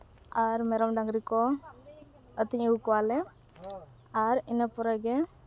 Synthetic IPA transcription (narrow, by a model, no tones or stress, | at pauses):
aɾmɛɾɔmɖaŋɡɾikɔ | ət̪iɲəwkɔwalɛ | aɾinapɔɾaɡɛ